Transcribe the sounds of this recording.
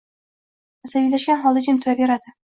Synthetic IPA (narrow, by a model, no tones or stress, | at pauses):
asabijlaʃɡʲanχɒlˠd̪ad͡ʒɪmt̪ʰʊɾabeɾad̪ɪ